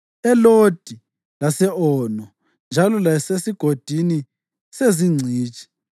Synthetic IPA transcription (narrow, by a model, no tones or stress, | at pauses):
ɛlod̥ʱi | lasɛʔɔnɔ | nd͡ʒʱalɔlajɛsesiɡ̥ʱod̥ʱini | seziŋ͡ǀʱiːt͡ʃʼi̥